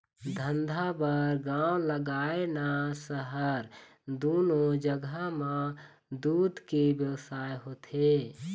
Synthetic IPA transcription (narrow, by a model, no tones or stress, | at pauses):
d̪ʱənd̪ʱabəɾɡãːw̃ləɡaːenasəɦəɾ | d̪oːnod͡ʒəɡəmã | d̪ud̪ʱkebjəwsaːjɦot̪ʰe